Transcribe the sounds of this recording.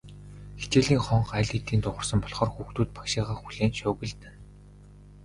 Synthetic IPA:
xe̥t͡ɕeːɮiːŋχɔɴχæɮʲit̪iːnt̪ʊʁə̆rsə̆mpɔɮχɔːrxuːxt̪uːt̪̚pḁkʃiːʁaːxuɮeːnʃʊːɣɘ̆ɮt̪ɘ̆n

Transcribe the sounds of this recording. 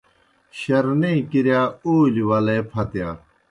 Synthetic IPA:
ɕɐɾnẽːkiɾjaːoːliwɐleːpʰɐt̪jaː

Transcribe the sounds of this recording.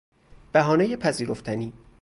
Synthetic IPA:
b̥æɦɒːnejepʰæziːɾoft̪ʰæniː

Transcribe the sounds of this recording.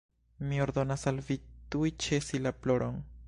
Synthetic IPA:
mio̞ɾd̪o̞nasalvitujt͡ʃe̞silaplo̞ɾʔo̞n

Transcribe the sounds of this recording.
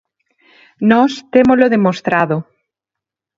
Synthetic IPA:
nɔst̪emoloðemost̪ɾaðo

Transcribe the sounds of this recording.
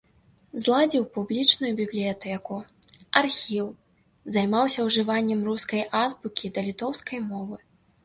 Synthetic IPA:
zlˠad͡zʲiwpublʲit͡ʂnujubʲiblʲijat̪ɛkuarxʲiw | zajmawsʲɐwʐɨvanʲːɛmruskɐjʔazbukʲid̪ɐlʲit̪ɔwskɐjmɔvɨ

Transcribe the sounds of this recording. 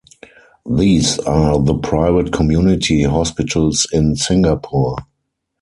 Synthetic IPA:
ðiːsaðəpʰɹaɪvətkʰɔmjuːnɪtʰiɦɔspɪtʰəlsɪ̃nsɪ̃ŋɡapʰu

